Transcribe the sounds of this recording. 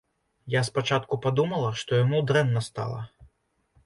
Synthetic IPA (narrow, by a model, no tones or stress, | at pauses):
jaspat͡ʂat̪kupad̪umɐlˠɐʂt̪ɔjamud̪ɾɛnːɐst̪a̰lˠɐ̰